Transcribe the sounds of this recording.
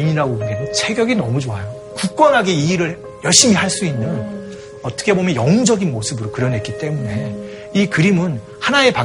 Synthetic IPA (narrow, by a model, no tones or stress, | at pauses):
iɲiɾaɡobuɡenɯnsʰe̞ɡjʌɡinʌmud͡ʑoajo | kuk̚k͈wʌnɦaɡe̞iːɾɯɭ | jʌɭɕ͈imiɦaɭs͈uinːɯn | ʌt͈ʌ̥kʰe̞bomjʌnjʌŋd͡ʑʌɡinmosʰɯbɯɾokɯɾʌnɦe̞t̚k͈it͈e̞mune̞ | ikɯɾimɯn | hanae̞pa